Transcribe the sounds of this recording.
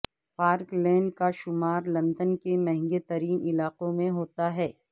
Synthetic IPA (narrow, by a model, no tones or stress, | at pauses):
paːɾklɛ̃ːɳɖkaʃʊmaːɾlɐ̃nd̪ənkemɛ̃ɦɛ̃ŋɡet̪ɐɾiːnɪlaːqõmẽɦoːt̪aɦɛː